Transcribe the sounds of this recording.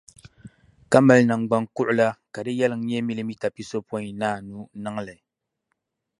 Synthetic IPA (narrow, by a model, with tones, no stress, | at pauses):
ka˦ma˨lna˨ŋ˨ɡ͡ba˦ŋkʊ˦ʔʊ˦la˦ka˨dɨ˦jɛ˦lɨ˨ŋ̩˦ɲɛ˦mi˦lɨ˦mi˦ta˨pi˦so˦pɔ˦i˨naː˦˨nu˦nɨ˦ŋ˦lɨ˨